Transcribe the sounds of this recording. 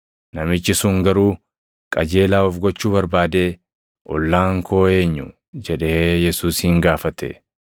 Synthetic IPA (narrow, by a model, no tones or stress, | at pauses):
nɐmɪt͡ʃːɪsʊŋɡɐɾuː | kʼɐd͡ʒe̞ːlaːɔfɡɔt͡ʃːuːbɐɾbaːd̪eː | ʔɔlːaːŋkʰo̞ːe̞ːɲːʊ | d͡ʒɛᶑeːjɛsuːshɪŋɡaːfɐt̪ɛ̰